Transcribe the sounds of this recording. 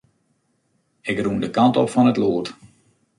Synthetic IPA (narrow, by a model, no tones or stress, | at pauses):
ɪkrundəkantɔpfɔnətloːət